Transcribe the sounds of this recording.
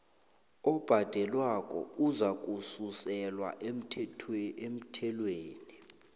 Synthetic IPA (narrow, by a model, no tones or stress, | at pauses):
ɔb̥ʱad̥ʱɛlwakʼɔ̰uzak̬ʼususɛlwa̰ʔem̩ʰem̩tʰɛlweːni